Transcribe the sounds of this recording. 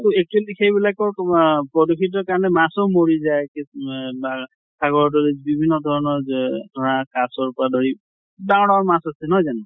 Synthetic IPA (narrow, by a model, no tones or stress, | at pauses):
tuek̚tuɛlixejbilakɔɹpɹɔdokʰit̬ɔɹkaɹɔnɛmasɔʊmoɹizajkiba | saɡɔɹɔdɔlibibʱinːɔdʱɔɹɔnɔɹdʱɔɹakasɔɹpɔɹadoɹi | daʊnɔɹmasasɛnɦɔjzanɛ